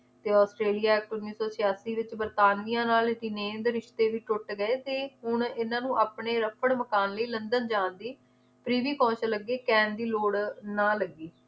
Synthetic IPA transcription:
t̪eːɔːsʈɾeːlijaːɛːk̚ʈoːniːsoːsɪjaːsiːʋɪt͡ʃbəɾt̪aːnijãːnaːlʈinẽːnd̪ɾɪʃt̪eːʋiːʈʊʈɡəeːt̪eːɦʊɳɪnãːnũːʔaːpɳeːɾəpʰəɽməkaːnləiːlənd̪ənd͡ʒãːnd̪iː | pɾiːʋiːkɔ̃ːt͡ʃləɡːeːkɛ̃ːnd̪iːloːɽnãːləɡːiː

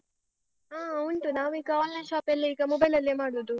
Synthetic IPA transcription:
aːɐuɳʈunaːʋuiːɡɐaːllɐjʃaːpɐlːiiːɡɐmɔbɐjlɐlːeːmaːɽoːd̪u

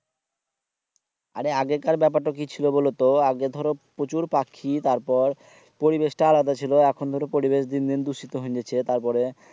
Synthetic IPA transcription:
a̰ɾeaɡekaɾbɛp̬aʈːak̬it͡ɕʰilobolot̪oaɡed̪ʱɔɾopɾot͡ɕuɾpakʰːit̪aɾpɔɾ | poɾibeʃʈaalad̪at͡ɕʰiloɛkʰond̪ʱɔɾopoɾibeʃd̪ind̪ind̪uʃit̪oɦõɲd͡ʑet͡ɕʰet̪aɾpɔɾe

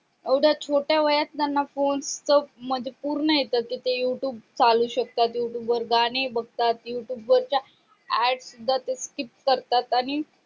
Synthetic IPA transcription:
ewɽ̤at͡ɕʰoʈjaʋəjat͡st̪janːafonst͡səm̤əd͡ʑepuɾɳəjet̪əkit̪ejuʈjuːbt͡saluːɕək̚t̪at̪juʈjuːbʋəɾɡaɽ̃ebəɡ̚t̪at̪juʈjuːbʋəɾt͡ɕja | æɽsud̪ʱːat̪eskip̚kəɾt̪at̪aɽ̃i

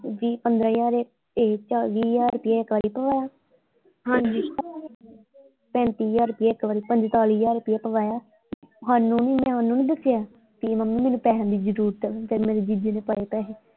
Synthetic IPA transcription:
ʋiːpənd̪ɾãːjaːɾe | et͡ʃaʋiːjaːɾʊpijaːɪkːʋaːɾiːpəʋaːjaː | ɦãːɲd͡ʒiː | pɛ̃ːnt̪iːjaːɾʊpɪjaːɪkːʋaːɾiːpəɲd͡ʒt̪aːliːjaːɾʊpijaːpəʋaːjaː | ɦaːnːũːniːmɛ̃ɦaːnːũːnĩːd̪əsːɪjaː | k̪imamnĩːmɛːnũːpɛːɦə̃nd̪iːd͡ʒəɾuːɾt̪ɛpʰɪɾmeːɾeːd͡ʒid͡ʒeːneːpəeːpɛːɦeː

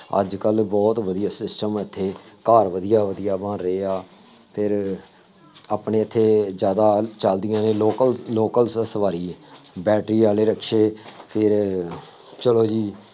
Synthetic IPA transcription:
ə̰d͡ʒkəlbɔːt̪ʋəd̪ijaːsɪsʈəmɪt̪ʰːeːkaːɾʋəd̪ijaːʋəd̪ɪjaːbãːɾeeːaːpʰɪɾ | aːpɳeːɪt̪ʰːeːzjaːd̪aːt͡ʃəld̪ɪjãːneːloːkəlloːkəlsəsʋaːɾiːbɛːʈɾiːaːleːɾəkʰʃeːpʰɪɾ | t͡ʃəloːd͡ʒiː

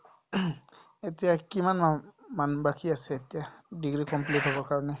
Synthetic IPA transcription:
etijakimanmanbakʰiasɛetijadiɡɹikɔmpletɦobɔɹkaɹɔnɛ

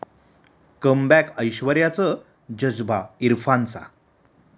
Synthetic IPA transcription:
kəmbækəjɕʋəɾjat͡sə | d͡ʑəd͡zbaiɾfant͡sa̰

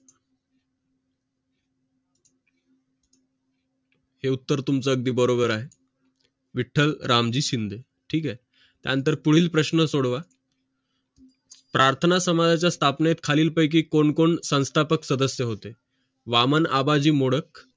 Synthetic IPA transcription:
heut̪ːəɾt̪umt͡səəɡ̚d̪iːbəɾobəɾaɦe | ʋiʈʰːəlɾamd͡ʑiːɕind̪ʱe | ʈʰiːkaɦe | t̪ja̰ənt̪əɾpuɽ̤iːlpɾəɕnəsoɽʋa | pɾʔaɾt̪ʰənasəmad͡z̪ʱat͡ɕjast̪ʰapnet̪kʰaliːlpəjk̬iːkoɳkoɳsə̃w̃st̪ʰapəksəd̪əsjəɦot̪e | ʋaməna̰bad͡ʑiːmoɽək

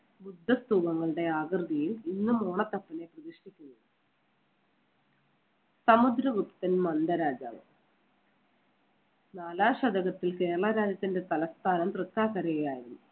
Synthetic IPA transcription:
bud̪ʱːɐst̪uːbɐŋːɐɭɨɽe̞aːɡɨrd̪ʱijilinːumoːɳɐt̪ːɐpːɐne̞prɐd̪iʂʈikʲːunːuɨ | sɐmud̪ɾɐʋupt̪ːɐnmɐnd̪ɐɾaːd͡ʑa̰ːʋɨ | naːlaːɕɐd̪ɐɣɐt̪ːilke̞ːɾɐɭɐɾaːd͡ʑɐt̪ːinde̞t̪ɐlɐst̪ʰaːnɐmt̪rɨkt̪ːaːkɐɾɐjejaːjiɾunːu

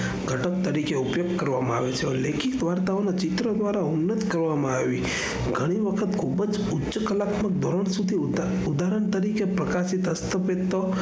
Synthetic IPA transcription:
ɡʱəʈəkt̪əɾikeupjoɡkəɾʋamãa̰ʋet͡ʃʰeolekʰik̚d̪ʋaɾt̪aonat͡ʃit̪ɾəd̪ʋaɾaunːət̪kəɾʋamãaʋi | ɡʱəɽ̃iʋəkʰət̪kʰubəd͡ʒ | utːʃəkəlak̪mək̚d̪ʱoɾəɳ̃sud̪ʱi | ud̪aɾəɳt̪əɾikepɾəkasit̪ɦəst̪əpet̪ːo

